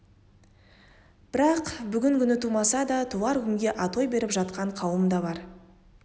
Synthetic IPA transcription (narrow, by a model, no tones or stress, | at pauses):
b̥ɪɾɑqbʏɡʲɪŋkʲʰʏnɪt̪ʰumɑsɑd̪ɑt̪ʰuɑɾkʲʏŋɡʲe̞ʔɑt̪o̞jbe̞ɾɪpʒɑt̪qɑɴqʰɑwəmd̪ɑbɑɾ